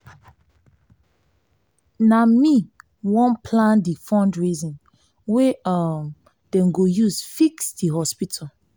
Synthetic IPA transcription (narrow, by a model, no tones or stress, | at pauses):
nami | wɔ̃npʰlãndifɔ̃ndɹizɔ̃n | weam | d̥ɛ̃mɡojuzfiksdiɦɔspitʰal